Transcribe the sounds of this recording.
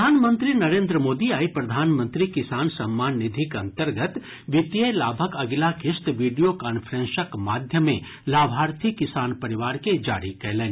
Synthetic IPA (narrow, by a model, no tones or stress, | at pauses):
aːnmə̃nt̪ɾinɐɾẽːnd̪ɾəmoːd̪iaːipɾɐd̪ʱaːnmə̃nt̪ɾikɪsaːnsɐmːaːnːɪd̪ʱɪkɐ̃nt̪əɾɡət̪ | ʋɪt̪jəlaːbʱəkɐɡlakɪst̪ʋiːɖijokaːnfʰəɾẽnsəkmaːd̪ʱjəmẽ | laːbʱaːɾt̪ʰikɪsaːnpɐɾɪʋaːɾked͡ʒa̰ːɾikɐɦlẽː